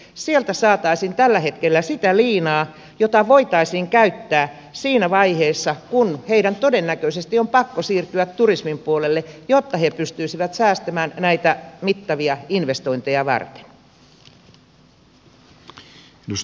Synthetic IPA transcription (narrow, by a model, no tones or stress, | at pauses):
sielt̪æsɑːt̪ɑisint̪ælːæhet̪kelːæsit̪æliːnɑː | jot̪ɑʋoit̪ɑisiːŋkæyt̪ːæː | siːnæʋɑiheːsːɑkunheidænt̪odenːækøisest̪iompɑkːosiːrt̪yæt̪turismimpuolelːejot̪ːɑhepyst̪yisiʋæt̪sæːst̪æmæːnnæit̪æmit̪ːɑʋiɑinʋest̪o̞int̪ejɑʋɑ̰rt̪e̥n | nus